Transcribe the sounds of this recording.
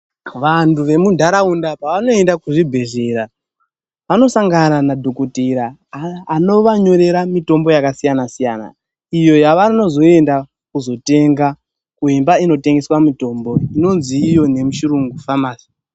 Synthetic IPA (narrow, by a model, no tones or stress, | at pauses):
ʋantʰuʋe̞mundʱaɾaundapaʋano̞e̞ndakuʐibʱe̞ʐe̞ɾa | ʋano̞saŋɡananadʱokutiɾaː | no̞ʋaɲo̞ɾe̞ɾamito̞mbo̞jakasijanasijaːna̰ | ijo̞jaʋano̞zo̞e̞nda | kuzo̞te̞ŋɡa | kuɦimbaino̞te̞ŋɡe̞swamito̞mbo̞ino̞nziːjo̞ne̞muʃiɾuŋɡufamaːsi̥